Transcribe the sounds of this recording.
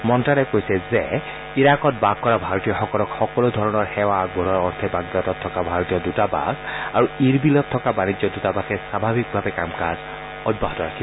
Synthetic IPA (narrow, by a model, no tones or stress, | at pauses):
mɔntɹalɛkojsɛzɛ | iɹakɔt̚baɡ̚kːɔɹabʱaɹɔtijɔxɔkɔlɔkxɔkɔlodʱɔɹɔnɔɹxɛwaɡbʱɔnɔɹɔɹt̪ʰɛbaɡdatɔtʰːɔkabʱaɹɔtijɔdutaba̰ɡaɹuiɹbilɔtʰːɔkabanizɔdutabaxɛsabʱabʱik̚bʱabɛkamkaz | ɔd̚baɦɔtɔɹakʰi